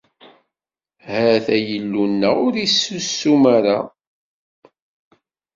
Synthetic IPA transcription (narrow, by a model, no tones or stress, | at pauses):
hæθæjəlːunːæʊɾisːusːumaɾa